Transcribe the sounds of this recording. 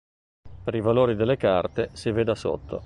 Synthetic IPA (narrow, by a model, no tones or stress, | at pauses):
peɾivaloːɾid̪elːekart̪esived̪aso̰t̪ːo̰